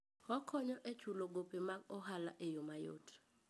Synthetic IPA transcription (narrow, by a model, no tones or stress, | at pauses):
ɔkʰɔɲɔʔet͡ʃuloɡopemak̚ɔɦala̰ʔejomajo̰tʰ